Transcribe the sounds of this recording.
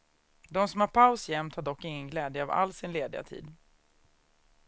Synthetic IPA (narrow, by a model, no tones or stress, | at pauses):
d̪ɔmsɔmhaɾpʰaʊsjɛmt̪haɖɔkːɪŋːənɡlɛːd̪jəava̰lsɪnleːd̪ɪa̰t̪ʰḭːd̪